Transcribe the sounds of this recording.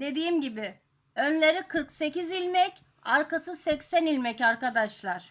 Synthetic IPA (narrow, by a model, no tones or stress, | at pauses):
d̪̥e̞d̪iːmɟibɪ | ønlʲe̞ɾikʰɯɾkse̞cizilʲmɛc | aɾkasɯsɛcsænilʲmɛcaɾkad̪aʃlˠaɾ̥